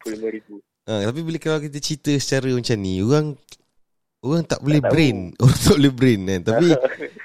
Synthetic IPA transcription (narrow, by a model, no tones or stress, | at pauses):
liməɾibu | ʔət̪ap̬ibiləkalawkit̪ət͡ʃit̪əsə̥t͡ʃaɾəmaɲt͡ʃannioɣaŋ | oɣaŋt̪a̰ʔbolɛhbɾɪnoɣaŋt̪aʔbolɛhbɾɛnkant̪api